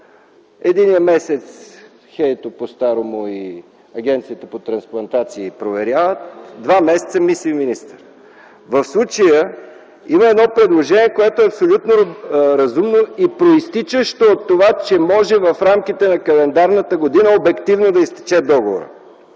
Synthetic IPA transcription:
ɛd̪inijəmɛsɛt̪s | xɛjt̪opost̪aɾomoi | ɐɡʲɛnt̪sit̪əpot̪ɾɐnsplˠɐnt̪at̪siːpɾovɛɾʲjavət̪d̪vamɛsɛ̥t̪səmisliminist̪əɾ | vəfslˠut͡ʃəjə | iməɛd̪nɔpɾɛd̪lˠoʒɛniɛkoɛt̪oɛɐpsolʲut̪noɾɐzumnoipɾoist̪it͡ʃəʃt̪oːt̪ːovat͡ʃɛmɔʒɛvɐfɾamkit̪ɛnɐkɐlɛnd̪aɾnət̪əɡod̪inəobɛkt̪ivnod̪ɐist̪i̥t͡ʃɛd̪ɔɡovo̰ɾə̰

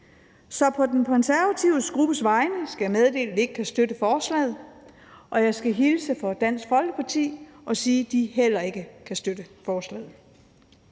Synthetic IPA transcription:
sɒ̽pʰɒ̽d̥enkʰɒ̽nsæɐʋæt͡sʰiʊ̰əsɡ̥ʁub̥əsʋɑ̈ɪnəsɡ̥æjɑmeð̞ˠd̥e̝̰ːld̥e̝ɡ̥ə̥kʰæsd̥ød̥əfɒːslɛ̰ːð̩ˠ | ʔɒ̽jɑ̈ɪsɡ̥æɦilsəfɒ̽d̥æn̰sɡ̥fɒ̽l̰ɡ̥əpʰɑ̈t͡sʰḭːʔɒ̽siːd̥iɦel̰ɐe̝ɡ̥əkʰæsd̥ød̥əfɒːslɛ̰ːð̩ˠ

